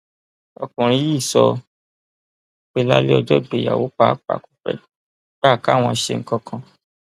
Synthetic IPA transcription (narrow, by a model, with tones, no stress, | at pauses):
ɔ˧kũ˨ɾ̃ĩ˧˦ji˦˨sɔ˧ | k͡pe˦la˦le˦ɔ˧d͡ʒɔ˦˨be˨ja̰˨wo˨˦k͡pa˦k͡pa̰˨ku̥˨fɛ̰˨ | ɡ͡ba˦˨ka˦˨w̃ɔ̃˧ʃe˧ŋ̩˦kɔ˦kʰã˧